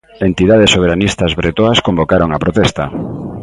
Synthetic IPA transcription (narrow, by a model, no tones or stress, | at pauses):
ent̪iðaðesːoβ̞eɾanist̪ɐzβɾet̪oaskombokaɾoŋapɾot̪ɛst̪ɐ